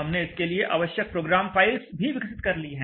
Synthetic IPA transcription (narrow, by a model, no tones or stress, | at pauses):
ɦɐmneɪskelieʔa̰ːʋəʃjək̚pɾoːɡɾaːmfaːɪlsbʱiʋɪksɪt̪kɐɾliɦɛ̃ː